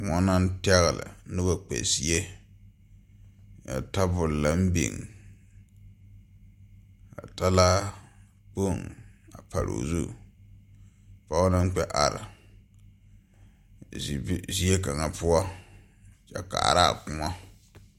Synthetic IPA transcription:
ŋɔ˦na˦n˦tɛ˦ɣɪ˨lɪ̰˨nɪ˦ba˨k͡pɛ̰˨si˨e˦ | ja̰˨ta˦bʊ˨lla˦m̩˦bḛ˨ŋ | a̰˨ta˦la˦ | po˦˨ŋa˨pa˨ɾo̰˨zṵ˦˨ | pa˦ʊ˦na˦n˦k͡pɛ˦ʔa˨ɾa̰˨˦ | zi˦e˦ka˨ŋa˨pʊ˦ɔ˦ | t͡ʃa˨˦ka̰˨a̰˨ɾa̰˦˨kʊ˦ŋa˦

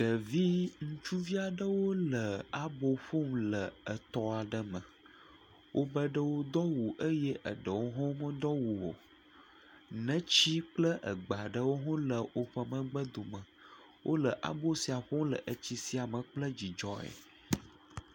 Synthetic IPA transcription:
ɡə˨vi˦ŋũ˦t͡ʃu˦vi˦a˨ɖə˦wo˦lə˨a˨bo˦ɸo˦m˦lə˨ə˨t̪ɔ˦a˨ɖə˨mə̃˨ | wʔo˦bə˦ɖə˦wo˦d̪ɔ˦wu˨ʔə˦jɛ˦ʔə˨ɖə˨wo˦ɦɔ̃˦mə̃˦d̪ɔ˦wu˨wo̰˨ | nə̃˦t͡ɕi˦k͡plə˦ʔə̰˨ɡ͡ba˨ɖə˦wo˦ɦɔ̃˦lə˨o˨ɸə˨mə̃˦ɡ͡bə˦d̪o˨mə̃˨ | wʔo˦lə˨ʔa̰˨bo˦si˨a˨ɸo˦m˦lə̰˨ʔə˨t͡ɕi˦si˨˦a˨mə̃˨k͡plə˦d͡ʑi˨d͡ʒɔ˦ɛ̰˨

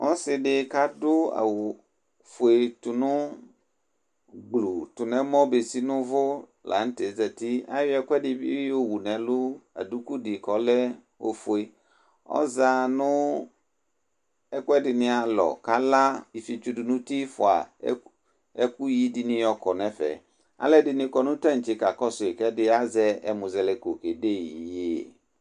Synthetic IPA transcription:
ʔɔ˦sɪ˨ɖɪ˦ka˦dʊ˦a̰˨wʊ˨ | fe˨tʊ˨nʊ̃˦ | ɡ͡blu˨tʊ˨nɛ̃˦mɔ̃˦be˨si˦nʊ̃˦vʊ˦ | la̰˨n̩˦te˨zɛ˨ti˦a˦jʊ˦ɛ˦kʷɛ˦dɪ˨bɪ˦o˦wu˨nɛ̃˨lʊ˦a̰˨du˦ku˦dɪ˨kɔ˨˦lɛ˦ | o̰˨fʊ˨e˨ | ɔ̰˦za˨nʊ̃˦ | ɛ˦kwɛ˦dɪ˨nɪ̃˦a˨lɔ̰˨ka˦la˦i˨fi˨t͡ʃu˦dʊ˨nʊ̃˦ti˦fʊ˨a̰˨˦ | ɛ˦ku˦ji˦dɪ˨nɪ̃˨jɔ˨kɔ˨nɛ̃˦fɛ̰˨ | a̰˦lɛ˦dɪ˨nɪ̃˨kɔ˨nʊ̃˦tã˦n̩˨t͡ʃɪ˨˦ka˨kɔ˦sʊ˨ɪ˨kɛ˦dɪ˦a˦zɛ˦ɛ˨mʊ̃˨zɛ˨lɛ˨ko˨ke˨de˦˨i˨je˦˨

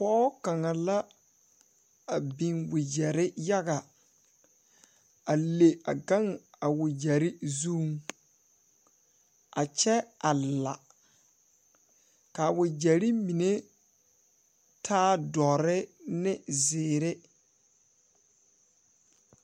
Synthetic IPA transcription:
pɔː˦ka˨ŋa˨la˦ | a˨bi˨ŋwɪ˨d͡ʒɛ˨ɾɪ˦ja˦ɡa˨ | a˨le˨a˨ɡa˦ŋ | a˨wɪ˨d͡ʒɛ˨ɾi˦zu˦ŋ | a˨t͡ʃɛ˦a˨la̰˨ | ka˨wɪ˨d͡ʒɛ˨ɾi˦mi˨ne˦ | tʰaː˦dɔ˨ɾɪ˦nɪ˦zɪː˨ɾe˦

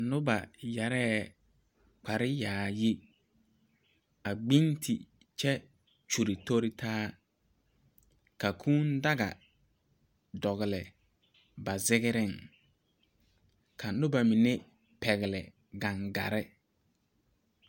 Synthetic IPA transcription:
nʊ˦ba˨ja˨ɾɛː˦ | k͡pa˨ɾɪ˦jaː˨jɪ˦ | a˨ɡ͡bi˦ntʰi˨ | t͡ʃɛ˦ | t͡ʃu˨ɾi˨tʰo˦ɾɪ˦tʰaː˦ | ka˨kʰuː˦n˦da˦ɡa̰˨ | dɔ˨ɣɪ˨lɛ˨ | ba˨zɪ˦ɣɪ˦ɾɪ˦˨ŋ | kʰa˨nʊ˦ba˨mɪ˨nɪ˦ | pɛ˨ɣɪ˨lɛ̰˨ | ɡã˨ŋɡa̰˨ɾɪ˦

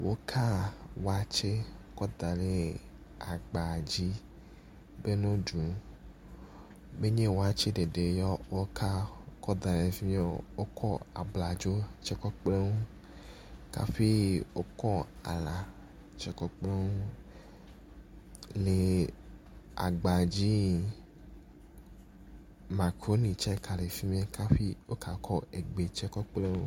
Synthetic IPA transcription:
wʔo˦kʰa˦wo˦a˦t͡ʃe˦kɔ˦d̪a˨le˦ | a˨ɡ͡ba˨d͡ʑi˦ | be˦nõ˦ɖũ˨ | be˦ɲẽ˦wo˦a˦t͡ʃe˦ɖe˨ɖe˨jɔ˦wo˦kʰa˦kɔ˦d̪a˨le˨fi˦e˦wo˦kʰɔ˦a̰˨bla˨d͡ʒo˦t͡ʃɛ˦kɔ˦k͡ple˦ŋu˦ | ka̰˦ɸi˦wo˦kɔ˦a̰˨la˨ | t͡ʃɛ˦kɔ˦k͡ple˦ŋu˦ | le˨ | a̰˨ɡ͡ba˨d͡ʑi˦ | mã˨ko˨˦nĩ˨t͡ʃɛ˦kʰa˨le˨fi˦mĩ˦a˦ka˦ɸi˦wo˦ka˨kʰɔ˦e˨ɡ͡be˨t͡ʃɛ˦kɔ˦k͡ple˦ŋũ˦

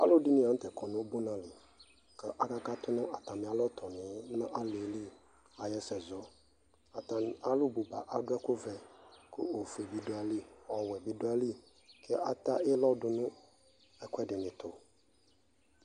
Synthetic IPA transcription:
a̰˦lo˦di˦nɪ̃˦ã˨˦n̩˦t̪ɛ˨kɔ˨nʊ̃˦o˦bo˦nã˦lɪ˨ | kɛ˦ʔa˨ka˦ka˦t̪ʊ˦nʊ̃˦a˨t̪a˨mɪ̃˨a˨lɔ˦t̪ʰɔ˨nɪ̃˨˦nã˦ʔa˦le˨˦li˦ | a˨jɛ˦sɛ˨zɔ˦ | a˨t̪a˨a˨lʊ˦bu˨ba˨ʔa˨ɖʊ˦ɛ˦kʊ˦vɛ˨kʰʊ̰˦o˨fe˨bi˨do˦a˨li˦ɔ˨wɛ˨bi˦dʊ˦a˦li˦ | kʰɛ˦ʔa˦t̪a˦ɪ˦lɔ˦dʊ˨nʊ̃˦ | ɛ˨kʊ˦ɛ˦dɪ˨nɪ̃˨t̪ʊ˨

